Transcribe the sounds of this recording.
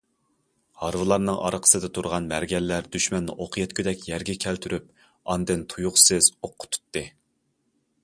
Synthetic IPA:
hɑɾvɨlˠɑɾnɨŋʔɑ̰ɾqʰə̥sɨd̪ɛt̪ʰuɾʁɑnmæɾɡʲɛlːæɾd̪yʃmɛnːɨ̰ʔoqʰəjɛt̪̚kʲyd̪ɛkʲjɛɾɡʲɛkʲʰælt̪ʰyɾyp̚ | ɑnd̪ɨnt̪ʰujuqsɨz̥oqʰːʊ̥t̪ʰu̥t̪ːɨ

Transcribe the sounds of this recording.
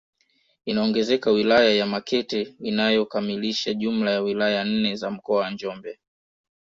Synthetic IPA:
inaɔŋɡɛzɛkawilajajamakɛtɛinajɔkamiliʃaʄum̩lajawilajan̩nɛzam̩kɔawand͡ʒɔmbɛ

